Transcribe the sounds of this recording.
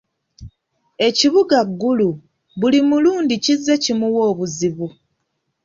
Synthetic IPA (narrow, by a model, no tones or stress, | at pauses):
e̞ciβuɡaɡːulu | βulimuluːndicizːe̞cimuwo̞ːβuziβu